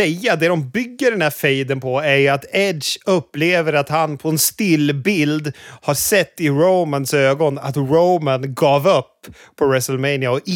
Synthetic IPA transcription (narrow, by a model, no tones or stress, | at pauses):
ɛjːad̪ɛd̪ɔmbʏɡːəɖɛndæɾfɛjd̪ənpʰɔæjat̪ɛd̪ʃɵpːleːvəɾat̪hanpʰɔɛnst̪ɪlːbɪld̪haʂɛt̪ːɪɾoʊmansøːɡɔna̰t̪ɾoʊmanɡɑːvɵpː | pʰɔɹɛsəlmeɪnɪaɔʔ